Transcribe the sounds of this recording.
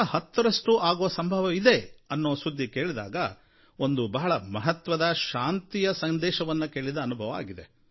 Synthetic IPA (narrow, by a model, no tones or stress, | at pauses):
hɐt̪ːɐɾɐʂʈuʔaːɡoʋɐsɐmbʱɐʋɐid̪e̞ɐnːoːsud̪ʱːike̞ːɭid̪a̰ːɡɐ | o̞nd̪ubɐɦɐɭɐmɐɦɐt̪ʋɐd̪ɐʃaːnt̪ijɐsɐnd̪ɛːʃɐʋɐnːɐke̞ːɭid̪ɐːnubʱɐʋɐa̰ːɡid̪e̞